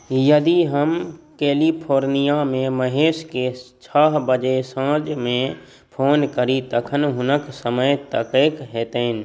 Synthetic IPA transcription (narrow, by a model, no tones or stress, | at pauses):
jəd̪iɦəmkeːlipʰoːɾnijamẽməɦeːʃket͡ʃʰaːɦbəd͡ʒesãːd͡ʒmẽ | pʰoːnkəɾit̪əkʰənɦʊnəksəməjt̪əkeːkɦɛːt̪en